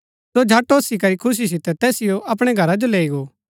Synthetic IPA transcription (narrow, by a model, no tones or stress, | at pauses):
sod͡ʒʱaːʈoːsik̬ɐɾikʰʊs̬is̬ɪt̪ɛt̪ɛːsɪjoʔɐp̬ɽ̃eɡʱɐɾad͡ʒoleːiɡoː